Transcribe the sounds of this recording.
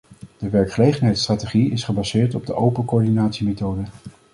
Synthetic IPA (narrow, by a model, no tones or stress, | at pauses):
d̥əʋɛɹkχəlejχənɦɛjtstraːteχiɪsχəbazɪːɹtɔb̚dəʔowpənkoːɹdinaːtsimejtowdə